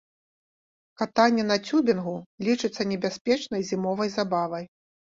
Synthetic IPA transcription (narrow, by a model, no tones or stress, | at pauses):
kat̪anʲːɛnɐt͡sʲubʲinɣulʲit͡ʂɨt̪sːɐnʲɛbʲasʲpʲɛt͡ʂnɐjzʲimɔvɐjzabavɐj